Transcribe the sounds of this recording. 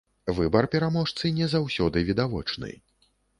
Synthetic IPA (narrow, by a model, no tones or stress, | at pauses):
vɨbɐrpʲɛɾamɔʂt̪sɨnʲɛzawsʲɔd̪ɨvʲid̪avɔ̰t͡ʂnɨ̰